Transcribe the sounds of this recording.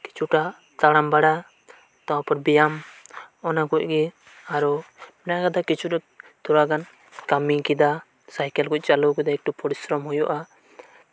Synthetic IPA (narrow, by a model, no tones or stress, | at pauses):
ki̥t͡ʃʰuʈa | t̪aɽambaɽa | t̪ɔwapɔɾbijamɔnaɡuc̚ɡɛ | aɾɔmɛnaɡad̪akit͡ʃʰut | t̪ɔɾaɡan | kamikid̪a | sajkɛlɡuc̚ˀt͡ʃaluɡid̪aɛk̚ʈɔpʰɔɽisɾɔmhujɔʔa